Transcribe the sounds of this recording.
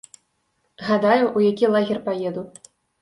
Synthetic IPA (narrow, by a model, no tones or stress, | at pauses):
ɣad̪ajuʔujakʲilˠaɣʲɛrpajɛd̪u